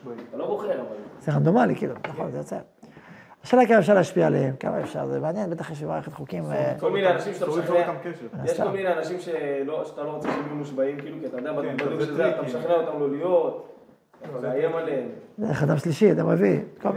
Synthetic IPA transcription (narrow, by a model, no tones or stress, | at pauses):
at̪alo̞boχeʁavalseʁand̪omalikḭːlṵnaχo̞nzejot͡sḛ | aʃelakamaef̬ʃaʁleːaʃpiaːlehemka̰ma̰efʃa̰ʁzemeanjenbe̞t̪aχjeʃ̬bemaːʁeχet̪χukimvekolmineanaʃimʃeat̪aaneamkeʃnjeʃomineanaʃimʃeloʃeat̪aloʁot͡seʃimjumuʃbaimkiːlukiat̪ajod̪eababaiʃezeat̪ːaeʃaχneot̪amlolijot̪ | atazeajemaleemzeeχad̪amʃliʃiad̪ameviko